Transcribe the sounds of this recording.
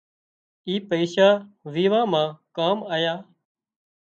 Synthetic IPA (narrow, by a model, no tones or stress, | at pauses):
iːpəiːʃaːʋiːʋãːmãːkaːmaːjaː